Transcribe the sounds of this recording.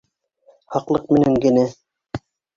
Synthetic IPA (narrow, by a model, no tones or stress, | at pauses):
hɑqlˠɤq̚mɘ̆næŋɡɘ̆næ